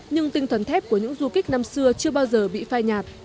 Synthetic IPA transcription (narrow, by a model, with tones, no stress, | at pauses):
ɲɨ˧ŋt̪ï˧ŋt̪ʰə˨˩nt̪ʰɛ˦˥p̚ku˧˩əɲɨ̰˧˥ŋzu˧ki˦˥k̟̚na˧msɨ˧ət͡ɕɨ˧əɓaː˧wzəː˨˩ɓḭ˧˨faː˧jɲaː˨˩t̚